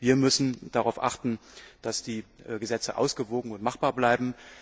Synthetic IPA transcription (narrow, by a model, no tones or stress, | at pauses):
viːɐmʏsn̩d̥aʁaʊfʔa̰χtn̩d̥asd̥iːʔɡəzɛt͡səʔa̰ʊsɡ̥əvoːɡŋ̩ʊntmaχb̥aːɐblaɪbm̩